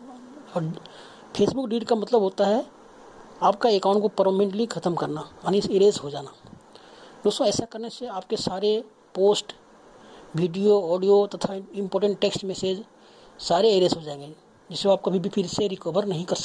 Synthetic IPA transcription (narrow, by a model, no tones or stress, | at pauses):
ɔːɾ | pʰeːsbʊkɖiːʈkamɐt̪ləbɦoːt̪aɦɛ | aːpkaekaːʊ̃ɳʈkopəɾomẽɳʈlikʰɐt̪əmkɐɾnajaːniseːɾeːsɦod͡ʒaːnaː | d̪oːst̪õɛːsakɐɾneseaːp̚kesaːɾe | poːsʈ | ʋiːɖijoɔːɖijot̪ɐt̪ʰaɪ̃mpoːɾʈə̃ɳʈʈeːksʈmeːseːd͡ʒ | saːɾeeːɾeːsɦod͡ʒaːẽŋɡe | d͡ʒɪseoaːp̚kabʱibʱipʰɪɾseɾɪkoːbəɾnɐɦĩkɐɾsɐ̥